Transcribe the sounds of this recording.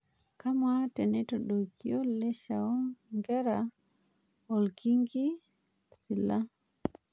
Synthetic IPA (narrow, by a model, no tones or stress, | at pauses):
kamatɛnɛtɔɗɔkʰiɔlɛʃaɔŋɡɛɾa | ɔlkiŋɡi | sila